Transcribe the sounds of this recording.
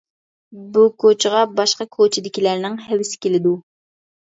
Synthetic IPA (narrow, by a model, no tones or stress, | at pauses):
bukʰot͡ʃʰʁɑbɑʃqɑkʰot͡ʃʰɪd̪ɪkʲilæɾnɪŋɦɛvɪsɪ̥kʲelɪd̪u